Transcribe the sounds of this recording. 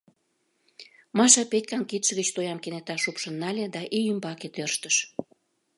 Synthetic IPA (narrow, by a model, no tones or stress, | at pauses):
mɑʃɑpetʲkɑnkit̪ʃəɣət͡ɕt̪ojɑmkenet̪ɑʃupʃənːɑlʲed̪ɑʔiymbɑket̪ørʃt̪əʃ